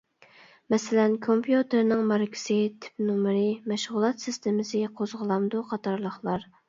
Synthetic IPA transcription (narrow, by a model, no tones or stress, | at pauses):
mɛsɪlɛnkʰompʰjut̪ʰɪɾnɪŋmɑɾkʲʰɪ̥sɪt̪ʰɪ̥p̚numɾɨmɛʃʁʊlˠɑt̪sɪst̪ʰɪmɪsɪqʰozʁəlˠɑmd̪uqʰɑt̪ʰɑɾlˠəχlˠɑɾ